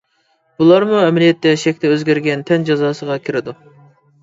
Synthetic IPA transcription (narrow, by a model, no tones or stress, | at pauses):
b̥ulˠɑɾmuɛmɪlijɛt̪ʰːɛʃɛkʲt̪ɛøzɡʲæɾɡʲɛnt̪ʰɛnd͡ʒɑzɑːsəʁɑkʲʰɪɾɪd̪u